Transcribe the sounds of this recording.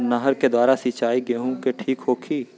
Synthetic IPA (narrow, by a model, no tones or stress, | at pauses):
naɦəɾked̪waːɾasɪt͡ʃaːiɡeɦũkeʈʰiːkɦoːkʰiː